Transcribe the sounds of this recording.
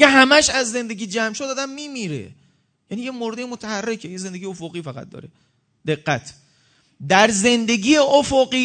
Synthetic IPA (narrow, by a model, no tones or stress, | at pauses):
eɦæmæʃæzːe̞nd̪e̞ɡiːd͡ʒæmʃod̪ɒːd̪æmːiːmiɾḛ | jænijemoɾd̪ejemot̪ʰæhærːe̞cʰejeze̞nd̪e̞ɟijeofoɣiːfæɣæ̰t̪̚d̪ɒ̰ːɾe | d̪̥e̞ɡːæt̪ʰ | d̪æɾze̞nd̪e̞ɡʲiːjeʔofoɢiː